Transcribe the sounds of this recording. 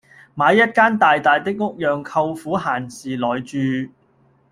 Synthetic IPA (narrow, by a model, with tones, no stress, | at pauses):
maː˨˧jːɐ˥t̚kaː˥nt̪aː˨jt̪aː˨jt̪ɪ˥k̚ŋʊ˥k̚jœː˨ŋkʰɐ˧wfuː˨˥ɦaː˨˩nsiː˨˩lɔː˨jt͡ʃyː˧